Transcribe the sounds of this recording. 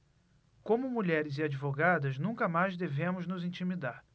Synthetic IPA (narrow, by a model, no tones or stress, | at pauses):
kõmʊmuʎɛɾɪzɪad͡ʒivoɡad̪ɐznũŋkɐmajzd̪evẽmʊznʊzĩt͡ʃimid̪aɾ